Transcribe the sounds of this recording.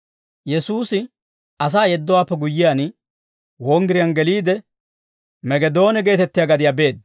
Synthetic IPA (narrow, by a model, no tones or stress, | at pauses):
jɛsuːsɪ | ɐs̬aːjɛd̪ːɔwaːpːɛɡʊjːɪjaːn | wɔŋɡɪɾɪjanɡɛliːd̪ɛ | mɛɡɛd̪o̞ːnɛɡe̞ːt̪ɛt̪ːɪjaːɡɐd̪ɪjaːbe̞ːd̪